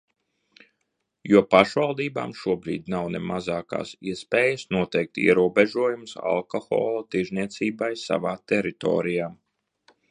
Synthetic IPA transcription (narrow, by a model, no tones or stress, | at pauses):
juɔpaʃʋalˠd̪iːba̰ːmʃuɔbɾḭːd̪nawnḛmazaːka̰ːsḭɛspeːjɐsnuɔt̪ejk̚t̪ḭɛɾuɔbeʒuɔjumsa̰lˠkoxɔ̰ːlˠat̪iɾzʲniɛt̪siːbajsa̰vaːt̪ɛɾit̪ɔ̰ːɾijaː